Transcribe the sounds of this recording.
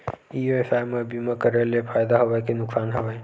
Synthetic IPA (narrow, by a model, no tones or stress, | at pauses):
ijuesaːjmẽbimãkəɾelefʰaːjd̪aɦɐʋaekenʊksaːnɦɐʋaẽ